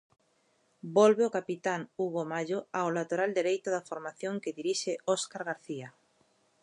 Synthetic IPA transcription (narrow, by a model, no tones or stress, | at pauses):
bɔlβeokapit̪aŋuɣomaʎoaolat̪oɾald̪eɾejt̪ʊðafoɾmaθjoŋkeðiɾiʃeɔskaɾɣaɾθia